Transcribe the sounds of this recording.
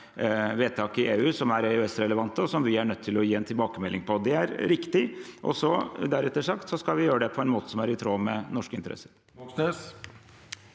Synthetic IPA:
ʋeːt̪ʰɑːkɪeːʉːsɔmæɾeœɛsɾɛləʋɑnt̪əɔsɔmʋɪæɳœt̪ʰːɪlɔjiːɛnt̪ʰɪlbɑːkəmɛlːɪŋpʰɔd̪ɛæɾɾɪkt̪ɪʔɔ̰sɔd̪æɾɛt̪ːəʂɑkt̪sɔskɑʋɪjøːɾəd̪ɛpʰɔɛnmoːt̪ə̥sɔmæɾɪt̪ʰɾoːmɛnɔʂkəɪnt̪əɾɛ̰sːə̥ɾ | ɔksnes

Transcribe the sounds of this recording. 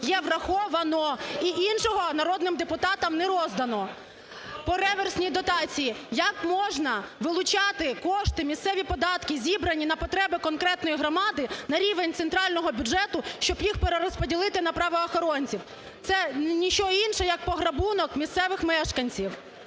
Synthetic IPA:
jɛʋrɐxɔʋɐnɔiʔinʃɔɦɔnɐɾɔd̪nɪmd̪epʊt̪ɑt̪ɐmnɛɾɔzd̪ɐnɔ | pɔɾɛʋersʲnʲid̪ɔt̪ɑt͡sʲijijɐkmɔʒnɐʋɪlˠʊt͡ʃɑt̪ɪkɔʃt̪ɪmʲist̪sɛʋʲipɔd̪ɑt̪kɪzʲibɾɐnʲinɐpɔt̪ɾɛbɪkɔnkɾɛt̪nɔjiɦɾɔmɑd̪ɪnɐɾʲiʋenʲt̪sent̪ɾɑlʲnɔɦɔbʲʊʒɛt̪ʊʃt͡ʃɔbjixpeɾeɾɔspɔdʲilˠɪt̪ɪnɐpɾɑʋɔːxɔɾɔnʲt͡sʲiw | t̪sɛnʲit͡ʃɔinʃɛjɐk̚pɔɦɾɐbunɔkmʲist̪sɛʋɪxmɛʃkɐnʲt͡sʲiw

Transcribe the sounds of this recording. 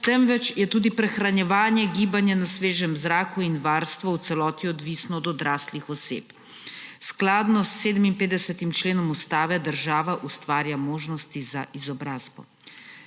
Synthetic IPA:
t̪ɛmʋɛt͡ʃjɛt̪uːd̪ipɾɛxɾanjɛʋaːnjɛɡiːbanjɛnasʋeːʒɛmzɾaːkuinʋaːɾst̪ʋaw̪sɛlɔːt̪iɔd̪ʋisnɔːd̪ɔd̪ɾaːst̪lixɔsḛːp | sklaːd̪nɔsːeːd̪əminpeːd̪ɛsɛt̪imt͡ʃleːnɔmust̪aːʋɛd̪əɾʒaːʋaʔust̪ʋaːɾjamoːʒnɔst̪izaʔizɔbɾaːzbɔ̰

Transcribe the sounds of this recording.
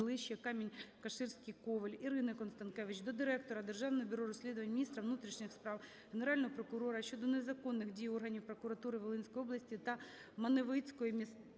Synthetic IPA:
lˠɪʃːɐkɑmʲinʲkɐʃɪrsʲkɪjkɔʋelʲiɾɪnɪkɔnst̪ɐnkɛʋɪt͡ʃd̪ɔd̪ɪɾɛk̚t̪ɔɾɐd̪erʒɑwnɔɦɔbʲʊɾɔɾɔsʲlʲid̪ʊʋɐnʲmʲinʲist̪ɾɐʋnut̪ɾʲiʃnʲɪxspɾɑw | ɦeneɾɑlʲnɔɦɔpɾɔkʊɾɔɾɐʃʲt͡ʃɔd̪ɔnezɐkɔnːɪɣdʲijɔrɦɐnʲiwpɾɔkʊɾɐt̪uɾɪʋelˠɪnʲsʲkɔjɔblˠɐsʲtʲit̪ɐ | mɐneʋɪt͡sʲkɔjimʲis

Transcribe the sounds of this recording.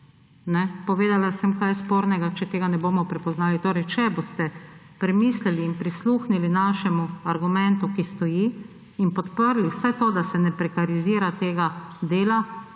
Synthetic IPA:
nɛpɔʋeːd̪alasɛmkajspoːɾnɛɡat͡ʃɛt̪eːɡanɛboːmɔpɾɛpɔznaːlit̪oːɾɛjt͡ʃɛbost̪ɛ | pɾɛmislɛliːnpɾisluːxnilinaːʃɛmuaɾɡumɛnt̪ukist̪ɔji | inpɔt̪pəɾliwsɛt̪oːd̪asɛnɛpɾɛkaɾiziːɾat̪eːɡad̪eːla

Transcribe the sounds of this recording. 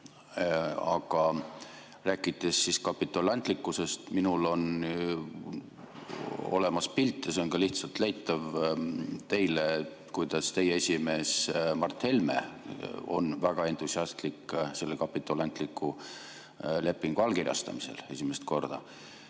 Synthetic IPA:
ɑɡ̥ɑ | ræːkːˑit̪ːˑe̞sːiskɑpːit̪ːˑolɑnt̪likːˑuse̞st̪minulo̞n | o̞̰le̞mɑspilt̪ːˑeseonkɑliht̪sɑlt̪læjt̪ːˑɑv | t̪e̞jle | kujt̪ɑst̪e̞jeesʲime̞ːsmɑrt̪he̞lme̞̰ | o̞̰nvæɡ̥ɑe̞nt̪ˑusiɑst̪likse̞lːekɑpˑit̪ːˑolɑnt̪likːˑu | le̞pˑːiŋɡ̥uɑlkirjɑ̰st̪ɑ̰mise̞̰le̞sʲimest̪ko̞̰rd̪̥ɑ̰

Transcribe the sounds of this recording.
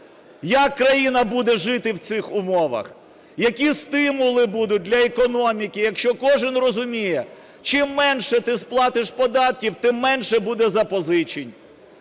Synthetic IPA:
jɐkːɾɐjinɐbud̪ɛʒɪt̪ɪwt̪sɪxʊmɔʋɐ̰x | jɐkʲist̪ɪmʊlˠɪbud̪ʊt̚ʲd̪ʲlʲɐekɔnɔmʲikɪjɐkʃt͡ʃɔkɔʒɪnrɔzʊmʲijɛ | t͡ʃɪmːɛnʃɛt̪ɪsplˠɑt̪ɪʃpɔd̪ɑt̪kʲiwt̪ɪmːɛnʃɛbud̪ɛzɐpɔzɪt͡ʃinʲ

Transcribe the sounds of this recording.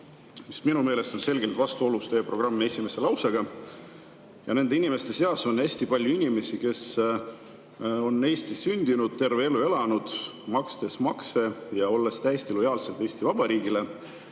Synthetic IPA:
misminume̞ːle̞st̪o̞nse̞lɡe̞lt̪vɑst̪uo̞lust̪eːpro̞ɡ̥rɑmːee̞sʲime̞se̞lɑwseɡ̥ɑ | jɑne̞nd̪e̞inime̞st̪e̞se̞ɑso̞nːæsʲt̪ipɑlʲjuinʲime̞sike̞s | o̞nːe̞ːsʲt̪isynʲd̪̥inud̪̥̚t̪e̞rve̞e̞lːue̞lɑnud̪̥mɑkst̪e̞smɑkse̞jɑo̞lːe̞st̪æjest̪ilo̞jɑːlse̞lt̪ˑe̞ːsʲt̪ivɑb̥ɑɾiːɡile̞

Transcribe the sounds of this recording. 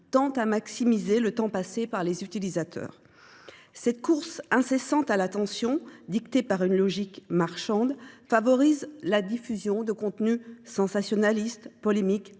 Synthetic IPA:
t̪ɑ̃t̪amaksimizelət̪ɑ̃pasepaʁlezyt̪ilizat̪ʰœ̰ːʁ | sɛt̪̚kuʁsɛ̃sesɑ̃t̪alat̪ɑ̃sjɔ̃d̪ikt̪epaʁynlɔʒikmaʁʃɑ̃d̪favɔʁizlad̪ifyzjɔ̃d̪əkɔ̃t̪nysɑ̃sasjɔnalist̪pɔlemik

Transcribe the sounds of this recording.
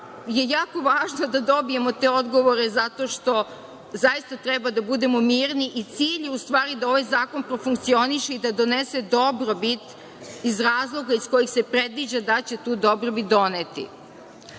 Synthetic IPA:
je̞jaːko̞ʋaːʒnod̪ad̪o̞bije̞mo̞t̪eːo̞d̪ɡo̞ʋo̞ɾe̞zat̪o̞ːʃt̪o̞ | zajist̪at̪ɾɛbad̪abud̪e̞momiːɾniʔit̪siːʎust̪ʋaːɾid̪ao̞ʋajzaːko̞npɾofuŋk̚t̪sio̞niʃeid̪ad̪o̞nesed̪o̞bɾobit̪ | izɾaːzlˠo̞ɡaisko̞jixse̞pɾed̪ʋid͡ʑad̪at͡ɕe̞t̪uːd̪o̞bɾobit̪̚d̪o̞net̪ḭ

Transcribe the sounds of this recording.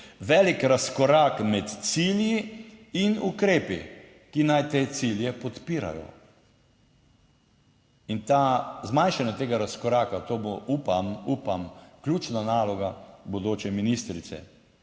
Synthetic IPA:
ʋɛlikɾaskɔɾakmɛt̪siljiinukɾeːpḭ | kinajt̪eːt̪siljɛpɔt̪piːɾa̰jɔ̰ | int̪azmajnʃanɔt̪eːɡaɾaskɔɾaːkat̪oboʔupamupamklʲuːt͡ʃnanaːlɔɡabod̪oːt͡ʃɛminist̪ɾit̪sɛ̰

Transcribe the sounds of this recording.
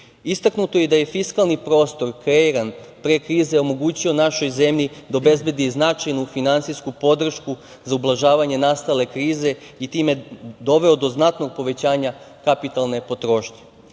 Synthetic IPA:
ist̪aknut̪o̞jed̪aje̞fiskalˠnipɾo̞ːst̪o̞ɾkɾeiɾanpɾekɾiːzeo̞mo̞ɡuːt͡ɕio̞naʃo̞jze̞mʎʲid̪aobe̞zbʲjed̪iznat͡ʃajnufinant̪sijskupo̞d̪r̩ʃku | zaublˠaʒaːʋaɲe̞naːst̪ale̞kɾiːze̞ | it̪iːme̞d̪o̞ʋe̞o̞d̪o̞znat̪no̞ɡ̚po̞ʋe̞t͡ɕaːɲa | kapit̪alˠne̞po̞t̪ɾo̞ːʃɲe

